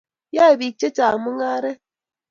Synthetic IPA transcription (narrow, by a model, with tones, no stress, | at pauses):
ja˦e˨bi˨k̚t͡ʃe˦t͡ʃaː˨mu˦ŋaː˦ɾɛ˦